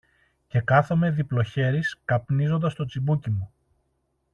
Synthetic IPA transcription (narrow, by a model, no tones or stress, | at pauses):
ce̞kɐθo̞me̞ðiplo̞çe̞ɾiskɐpnizo̞nd̪ɐst̪o̞t͡sibucimu